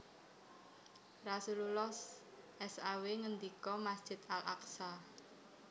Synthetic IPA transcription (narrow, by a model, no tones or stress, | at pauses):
rasululɔs | ʔɛsaweŋənd̪ikɔmasd̥ʒ̥ɪ̤t̪alʔa̰ksa